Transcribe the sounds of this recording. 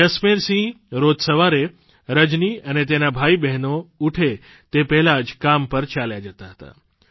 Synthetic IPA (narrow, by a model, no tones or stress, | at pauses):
əsmeɾsĩ | ɾod̪səʋaɾe | ɾəd͡ʒniənet̪enabʱaibɛɦnouʈʰe | t̪epɛɦlad͡ʒkampəɾt͡ʃaljad͡ʒət̪aɦət̪a̰